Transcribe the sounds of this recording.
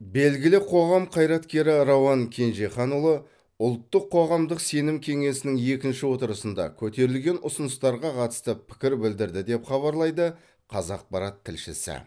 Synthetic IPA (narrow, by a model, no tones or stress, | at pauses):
be̞lɡʲɪlɪqʰo̞ʁɑmqʰɑjɾɑt̪kʲe̞ɾɪɾowɑŋkʲʰe̞nʒeχɑnulˠə | ʊlˠt̪ːəqʰːo̞ʁɑmd̪əqse̞nɪmkʲʰe̞ŋe̞sɪnɪŋe̞kʲɪnʃɪwo̞t̪əɾəsənd̪ɑ̰kʲʰɵt̪e̞ɾɪlɡʲe̞nʊsənəst̪ɑɾʁɑqʰɑt̪ə̥st̪əpʰɪ̥kʲɪɾbɪld̪ɪɾd̪ɪd̪e̞pχɑβɑɾlˠɑjd̪ə | qʰɑzɑq̚pɑɾɑt̪ʰːɪlʃɪ̰sɪ̰